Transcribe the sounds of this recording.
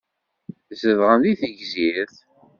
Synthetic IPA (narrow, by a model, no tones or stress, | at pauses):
zəðʁənðiθəʝziɾθ